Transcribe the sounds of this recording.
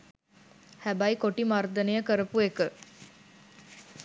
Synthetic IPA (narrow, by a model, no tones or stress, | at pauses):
hæbɐjkoʈimard̪ɐnejəkəɾəpuekə